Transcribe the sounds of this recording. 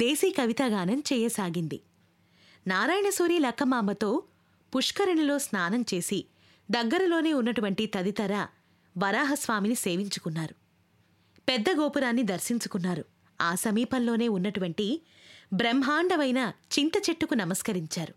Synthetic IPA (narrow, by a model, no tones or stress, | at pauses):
d̪eːsiːkɐʋit̪aːɡaːnɐmt͡ʃɛːjesaːɡind̪i | naːɾaːjɳɐsuːɾiːlɐkːɐmaːmbɐt̪o̞ː | puʂkɐɾɐɳilo̞ːsnaːnɐmt͡ʃe̞ːsi | d̪ɐɡːɐɾɐlo̞ːne̞ːunːɐʈuʋɐɳʈit̪ɐd̪it̪ɐɾɐ | ʋɐɾaːɦɐsʋaːminise̞ːʋiɲt͡ʃu̥kunːaːɾu | pɛd̪ːɐɡoːpuɾaːnːid̪ɐɾsiɲt͡ʃukunːaːɾu | aːsɐmiːpɐnlo̞ːne̞ːunːɐʈuʋɐɳʈi | bɾemɦaːɳɖɐʋɐjnɐt͡ʃint̪ɐt͡ʃe̞ʈːukunɐmɐskɐɾiɲt͡ʃaːɾu